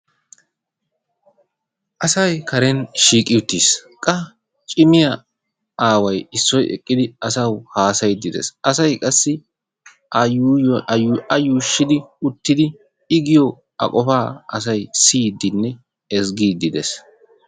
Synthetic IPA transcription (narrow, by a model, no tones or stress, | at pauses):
ʔɐsɐjkɐɾɛnʃiːkʼɪjʊt̪ːiːskʼɐ | t͡ʃʼɪmɪjɐ | aːwɐjɪsːɔjɛ̰kʼːɪd̪ɪɐsɐwhaːsɐjd̪ɪd̪ɛ̰sʔɐsɐjkʼɐsːɪ | ɐjuːʃːɪd̪ɪʊt̪ːɪd̪ɪ | ɪɡɪjɔ | ɐ̰kʼɔfaːʔɐsɐjsiːd̪ɪnːɛ | ɛsɡiːd̪ɪd̪ɛs